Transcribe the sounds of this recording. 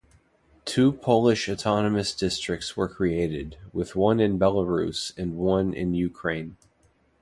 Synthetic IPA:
tʰʉpʰoʊlˠɨʃɨtʰɑnɨmɨsd̥ɪstɹ̥ɨk̚tswə˞kʰɹ̥ieɪɾɪd̚wɪðwʌ̃nɨ̃nbɛlˠəɹʉ̰sɨ̃nwʌ̃nɪ̰̃njʉkʰɹ̥ẽɪ̃n

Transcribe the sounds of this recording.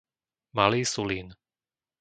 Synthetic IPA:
maliːsuliːn

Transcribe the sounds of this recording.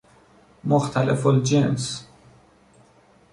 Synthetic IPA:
moxt̪ʰalefld͡ʒens

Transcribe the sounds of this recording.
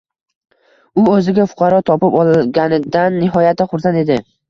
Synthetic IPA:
ʊɵzɪɡʲafʊ̥qʰɑɾɒt̪ʰɒpɪpɒlˠɡʲanɪd̪anːɪɦɒjat̪ʰɪχʊɾsane̞d̪ɪ

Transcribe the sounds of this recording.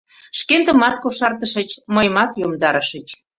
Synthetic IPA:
ʃkend̪ə̆mɑt̪koʃɑrt̪əʃət͡ɕməjmɑt̪jomd̪ɑɾəʃət͡ɕ

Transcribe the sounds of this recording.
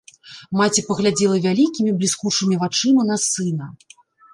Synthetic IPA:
mat͡sʲipɐɣlʲad͡zʲɛlˠɐvʲalʲikʲimʲiblʲiskut͡ʂɨmʲivat͡ʂɨnɐnɐsɨnɐ

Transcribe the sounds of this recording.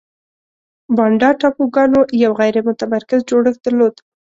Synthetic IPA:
bɑɳɖɑʈɑpoɡɑnojawɣajɾemʊt̪amaɾkɪzd͡ʒoɽəxd̪̥əɾlod̪

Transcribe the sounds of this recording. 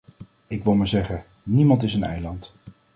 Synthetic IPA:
ɪkʋɪlˠməzɛχə | nimɑntɪsənɛ̰jlɑnt

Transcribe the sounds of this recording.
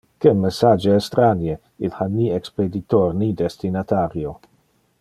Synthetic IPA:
kemesad͡ʒeɛst̪ɾanje | ilhaniɛksped̪it̪ornid̪est̪inat̪aɾjo

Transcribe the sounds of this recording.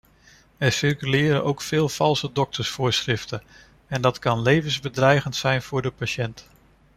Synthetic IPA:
ɛɹsɪrkylɪːɾə̰nʔowkfɪːlˠfɑlˠsədɔk̚tʰəɹsfʊːɹsχrɪftə | ɛndɑtkɑnlejvənzbədrɛjɣəntsɛjnv̥ʊːɹdəpaʃɛnt

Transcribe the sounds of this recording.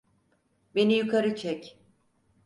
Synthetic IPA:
be̞nijukʰaɾɯt͡ʃʰɛc

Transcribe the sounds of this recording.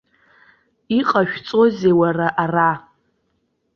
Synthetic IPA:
iqʼaʃᶣt͡sʼozewaraʔara

